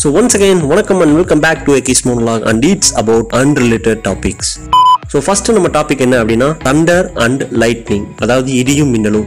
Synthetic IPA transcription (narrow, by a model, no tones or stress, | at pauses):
soːʋɐnsɐɡẽːnʋɐnɐkːɐ̃mɐ̃ɳɖʋɪlkɐ̃mbæːk̚ʈuekeːsmoːnlaːɡɐ̰̃ɳɖiːʈsɐbɐʊʈɐ̃nɾɪleːʈeɖ̚ʈaːpɪks | soːfɐsʈnɐmːɐʈaːpɪkːɛnːɐːɐpːɐɽɪnːaːt̪ɐɳɖɐɾɐ̃ɳɖlɐɪʈnɪ̃ŋɡɐðaːʋɐðɯɪðɪjʊ̃mːɪnːɐlʊ̃